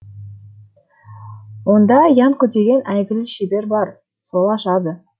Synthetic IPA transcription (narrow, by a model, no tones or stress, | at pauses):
wo̞nd̪ɑjɑŋkʰʲɵt̪e̞ɡʲe̞nʔæjɡʲɪlɪʃebe̞ɾbɑɾ | so̞lˠɑʃɑd̪ə